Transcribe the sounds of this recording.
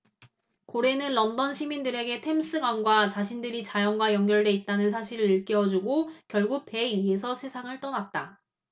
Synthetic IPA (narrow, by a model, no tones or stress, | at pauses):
koɾe̞nɯnlʌndʌnɕʰimindɯɾe̞ɡe̞tʰe̞ms͈ɯɡwanɡwat͡ɕaɕʰindɯɾit͡ɕajʌŋɡwajʌŋɡjʌɭde̞it̚t͈anɯns̬ʰaɕʰiɾɯɾiɭk͈iʌd͡ʑuɡokjʌɭɡuk̚pe̞ies̬ʰʌsʰe̞sʰaŋɯɭt͈ʌnat̚t͈a